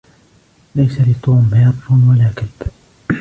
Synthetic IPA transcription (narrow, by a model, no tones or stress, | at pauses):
lajsalɪt̪ˤuːmhaːt̪ɾʊnwalaːkalb̥